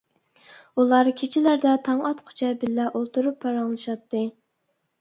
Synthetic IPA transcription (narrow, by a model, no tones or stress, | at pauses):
ulˠɑɾkʲʰet͡ʃʰɪlæɾd̪ɛt̪ʰɑŋɑt̪qʰʊ̥t͡ʃʰɛbɪlːɛʔolˠt̪ʰuɾupʰːɑɾɑŋlˠɨʃɑt̪ʰːɨ